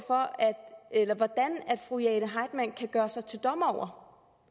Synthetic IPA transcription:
fɒ̽æd̥elɐʋɒd̥ænæd̥fʁujɛːnəɦɑ̈ɪd̥mæn̰kʰæɡ̥ɶːɐsɑ̈ɪt͡sʰe̝ld̥ɒ̽mɒʊ̰ɐ

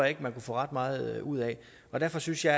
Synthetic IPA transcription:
jɑ̈e̝ɡ̥əmænkufɔ̰̽ːʁɑ̈d̥̚mɑ̈ːð̞̩ˠuð̰ˠɛ | ɒ̽d̥æɐ̰fɒ̽synsjɑ̈

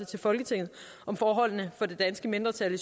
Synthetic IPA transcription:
t͡sʰe̝lfɒ̽lɡ̥ət͡sʰe̝ŋ̰ð̞̩ˠ | ʔɒ̽mfɒːɦɒ̽l̰nəfɒ̽de̝d̥ænsɡ̥əme̝nd̥ʁɐt͡sʰælis

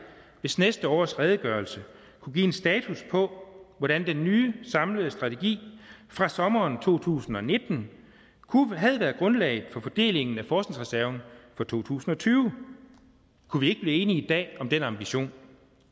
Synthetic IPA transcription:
ʋe̝snesd̥əɒ̰ːsʁɛːð̞ˠəɡ̥ɶɐlsə | kʰuɡ̥ḭensd̥ɛːt͡sʰuspʰɒ̽ʋɒɾ̥ænd̥enːyːsɑ̈mləð̞̩ˠsd̥ʁɑ̈t͡sʰe̝ɡ̥ḭːfʁɑ̈sɒ̽mɐːnt͡sʰo̝̰ːt͡sʰṵːsn̩ɒ̽ne̝d̥n̩ | kʰuɦæð̞ˠʋæːɐðˠɡ̥ʁɔ̽nlɛ̰ɪð̩ˠfɒ̽fɒ̽d̥e̝̰ːle̝ŋn̩æfɒːsne̝ŋsʁɛsæɐʊn̩fɒ̽t͡sʰo̝̰ːt͡sʰṵːsn̩ɒ̽t͡sʰyːʊ | kʰuʋie̝ɡ̥əb̥liːe̝ːniid̥ɛ̰ːɒ̽md̥enɑ̈mb̥iɕo̝̰ːn

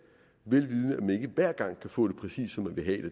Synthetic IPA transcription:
ʋe̝lʋið̞ˠnəæmæne̝ɡ̥əʋæɐ̰ɡ̥ɑ̈ŋ̰kʰæfɔ̰̽ːɾ̥e̝pʰʁɛsḭːsːɒ̽mːænʋe̝ɦɛd̥e

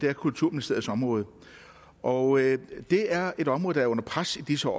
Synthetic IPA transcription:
d̥eɐkʰult͡sʰuɐ̰me̝lise̝̰ɐ̰ð̩ˠsɒ̽mʁɔ̽ːð̞̩ˠ | ʔɒd̥e̝æɐe̝ɾɒ̽mʁɔ̽ːðˠd̥ɑæɐɔ̽n̰ɐpʰʁasid̥isəɒ̰ː

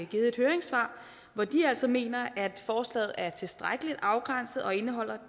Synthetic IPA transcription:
ɡ̥iːð̞̩ˠe̥høːɐeŋsʋɑ̰̈ː | ʋɒd̥iæl̰sɒ̽me̝̰ːnɐʔæd̥fɒːslɛ̰ːð̞̩ˠæɐt͡sʰe̝sd̥ʁaɡ̥əlid̥ɑ̈ʊɡ̥ʁan̰sð̩ˠɒ̽e̝nəɦɒ̽l̰ɐ

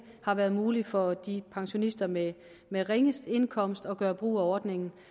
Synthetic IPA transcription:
hɑ̈ʋæɐðˠmuːlifɒd̥ipʰɑ̈ŋɕo̝nisd̥ɐme | meʁeŋəsd̥e̝nkʰɒ̽m̰sd̥ɒ̽ɡ̥ɶːɐb̥ʁṵːæɒːd̥ne̝ŋn̩

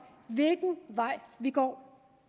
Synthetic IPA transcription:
vilkŋ̩va̰vikɔ

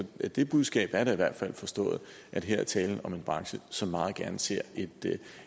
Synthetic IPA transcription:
ɒd̥e̝b̥uð̞ˠsɡ̥ɛ̰ːb̥æɐɾ̥æiʋæɐ̰d̥fæl̰fɒ̽sd̥ɔ̰̽ːð̞̩ˠ | ʔæd̥ɦeɐ̰ɐt͡sʰɛːln̩ɒ̽me̝nb̥ʁɑ̈ŋɕəsɒ̽mːɑ̈ːð̞̩ˠɡ̥æɐnəse̝ɐ̰e̝d̥

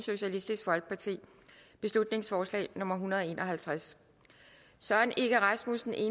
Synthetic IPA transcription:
so̝ɕælisd̥isɡ̥fɒ̽lɡ̥ə̥pʰɑ̈t͡sʰḭː | b̥e̝slud̥ne̝ŋsfɒːslɛ̰ːnɔ̽mɐɦunɐð̞ˠɒ̽e̝̰ːnʔɒ̽ɦælt͡sʰʁas | sɒne̝ɡ̥əʁɑ̈smusn̩e̝ː

